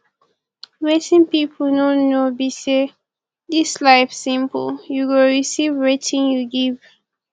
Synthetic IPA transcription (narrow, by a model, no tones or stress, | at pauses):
ɹetĩnpip̩ʰnonobise | dislaɪfsĩmpəljuɡoɹisivɹitʰĩnjuɡiv